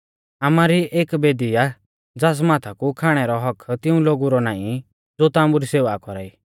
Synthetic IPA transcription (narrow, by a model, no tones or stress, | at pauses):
amaɾiʔeːkbeːd̪ija | d͡zaːs̬maːt̪ʰakukʰaːɽ̃ɛɾɔɦɔkʰt̪ɪũloːɡuɾɔnaːḭ̃ | d͡zoːt̪aːmuɾiseːʋakɔɾaːiː